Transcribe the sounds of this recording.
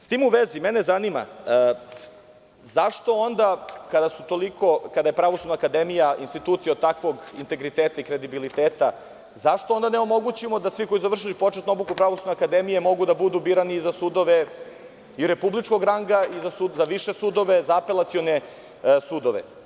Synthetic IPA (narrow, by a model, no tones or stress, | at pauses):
st̪iːmuʋezimenezanima̰ | zaʃt̪o̞o̞nd̪akad̪asut̪o̞liko̞kad̪ajepɾaʋosud̪naːkad̪emijaʔinst̪it̪uːt̪sijad̪̚t̪akʋo̞ɡint̪eɡɾit̪eːt̪aikɾe̞d̪ibilit̪eːt̪a | zaʃt̪o̞o̞nd̪aneo̞mo̞ɡut͡ɕimo̞d̪asʋiko̞jiszaʋr̩ʃ̬ilipo̞t͡ʃet̪nuo̞blukupɾaʋosud̪neakad̪emijemo̞ɡud̪abud̪ubiɾanizasud̪o̞ʋe | iɾepublit͡ʃko̞ɡɾaŋɡaizasuzaʋiʃesud̪o̞ʋezaːpe̞lˠat̪sijo̞ne | sud̪o̞ʋḛ